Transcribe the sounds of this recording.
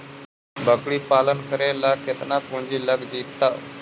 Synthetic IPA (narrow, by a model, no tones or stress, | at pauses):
bəkɽiːpalənkəɾelakʰet̪napuɳd͡ʑiːləɡd͡ʑit̪ːa